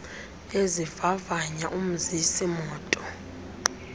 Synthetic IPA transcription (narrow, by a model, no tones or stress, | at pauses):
ezivavaɲaʔum̩zisimɔːtʼɔ